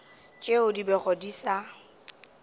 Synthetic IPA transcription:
t͡ʃʼeʊdibɛɣɔdisa

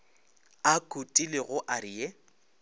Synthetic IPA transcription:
akʼutʼilɪɣʊʔaɾije

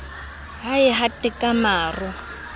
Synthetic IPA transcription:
ɦaɪɦatʼɛkʼamaːrʊ

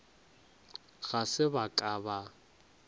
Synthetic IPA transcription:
ɣ̥asɪbakʼaːba

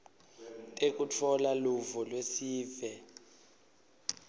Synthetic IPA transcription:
tʼek̬ʼut͡fʰɔlaluvɔlwesiːvɛ

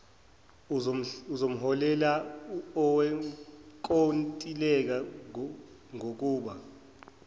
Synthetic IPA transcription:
uzom̩ɦɔlɛlaɔwɛ | kʼontʼilɛk̬a | ŋok̬ʼuːɓa

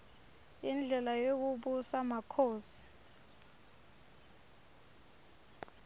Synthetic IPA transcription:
ind͡ɮʱɛlajok̬uɓusamakʰoːsi̥

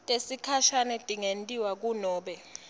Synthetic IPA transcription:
tʼesikʰaʃanɛtʼiŋentʼiwak̬unɔːɓɛ

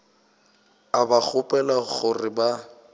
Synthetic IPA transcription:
abak͡xʰʊpʼɛlaɣʊrɪba

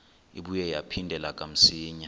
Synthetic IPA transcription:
iɓujɛjapʰindʱɛlak̬ʼam̩siːɲa

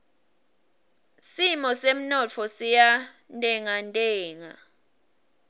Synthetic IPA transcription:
simɔsem̩nɔt͡fʰɔsija | ntʼɛŋantʼɛːŋa

